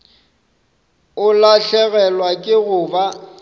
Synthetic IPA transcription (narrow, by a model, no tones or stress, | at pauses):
ʊlaɬɛɣɛlwakʼɪɣʊːba